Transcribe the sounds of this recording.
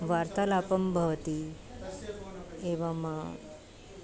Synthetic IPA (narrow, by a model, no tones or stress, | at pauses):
ʋaːɾt̪alaːpɐmbʱɐʋət̪i | eʋamã